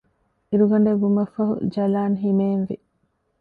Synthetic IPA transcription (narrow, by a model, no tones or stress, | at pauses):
iɾuɡɐɳɖeɡumɐfɐɦṵd͡ʒɐlaːnɦimeːnʋḭ